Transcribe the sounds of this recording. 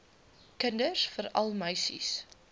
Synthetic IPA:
kəndəsfəɾɐ̰lˠmœɥsḭs

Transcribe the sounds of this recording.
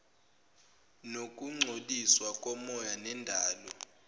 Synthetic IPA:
nokʼuŋ͡ǀʱoɗiswakʼɔmɔjanɛndʱaːlɔ

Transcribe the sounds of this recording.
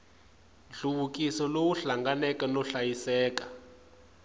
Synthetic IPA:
ɬuβukʼisɔlowuɬaŋɡanɛkɛnɔɬajisɛːkḁ

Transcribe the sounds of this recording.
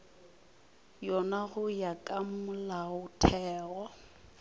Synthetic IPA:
jɔnaɣʊjakʼamʊlaʊtʰɛːɣɔ

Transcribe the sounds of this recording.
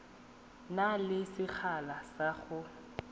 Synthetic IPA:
nalɪsɪk͡xʰalasaχʊ

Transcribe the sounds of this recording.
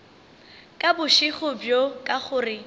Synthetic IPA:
kʼabʊʃɪχʊbjokʼaχʊːrɪ

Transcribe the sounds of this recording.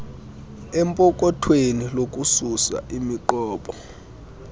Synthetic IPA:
ɛmpʼɔk̬ʼɔtʰwenilok̬ʼususa̰ʔimiǃɔːɓɔ

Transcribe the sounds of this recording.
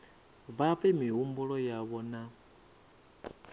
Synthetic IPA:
βaɸɛmiɦumbuɺɔjaβɔna

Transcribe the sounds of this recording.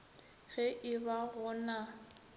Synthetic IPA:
ɣɛʔɪbaɣʊna

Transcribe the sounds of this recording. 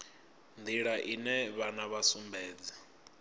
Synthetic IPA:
nd̪ʱiɺaʔinɛβanaβasumbʱɛːd͡zi̥

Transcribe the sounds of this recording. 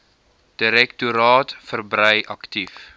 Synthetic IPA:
d̥iɾɛktuɾɑːtfərbɾəjʔɐktif

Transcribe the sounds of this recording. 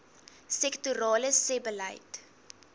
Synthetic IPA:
sɛktuɾɑːləsebələ̰jt

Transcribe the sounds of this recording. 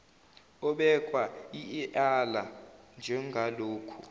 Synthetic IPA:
ɔɓɛkʼwaiɛʔaland͡ʒʱɛŋʱaloːkʰu

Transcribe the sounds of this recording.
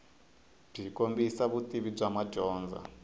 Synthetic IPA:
b͡ʐikʼombisaβutʼiβib͡ʐamad͡ʒɔːnd͡za̰

